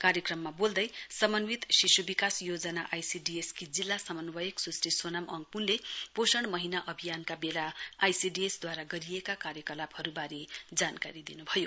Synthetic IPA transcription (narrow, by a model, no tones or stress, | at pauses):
kaɾjʌkrʌmːabold̪ʌjsʌmʌnwit̪ʃisubikasjod͡zʌnaʔajsiɖieskid͡zilːasʌmʌnwʌjeksusriswʌnamʌŋɡ̚punleposʌɽ̃mʌɦinaʔʌbʱijankabelaːjsiɖiesd̪waɾaɡʌɾijekakaɾjʌkʌlabʌɾubaɾid͡zankaɾid̪inubʱʌjo